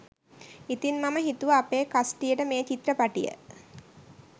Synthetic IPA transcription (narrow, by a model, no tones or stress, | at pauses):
it̪inmaməɦit̪uʋaapeːkasʈijəʈəmeːt͡ʃit̪rəpaʈḭjə̰